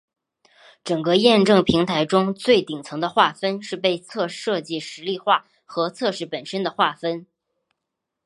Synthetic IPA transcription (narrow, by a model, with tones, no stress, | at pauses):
ʈ͡ʂɤ˨˩ŋkɤ˥˧jɛ˥˧nʈ͡ʂɤ˥˩ŋpʰi˧˥ŋt̪ʰa˧˥ɪʈ͡ʂʊ˥ŋt͡swe˥˩ɪt̪i˨˩ŋt͡sʰɤ˧˥ŋd̪ə˧xwa˥˩fə˥nʂɻ̩˥˧pe˥˧ɪt͡sʰɤ˥˧ʂɤ˥˧t͡ɕi˥˩ʂɻ̩˧˥li˥˧xwa˥˩ | xɤ˧˥t͡sʰɤ˥˧ʂɻ̩˥˩pə˨˩nʂə˥nd̪ə˨xwa˥˩fə˥n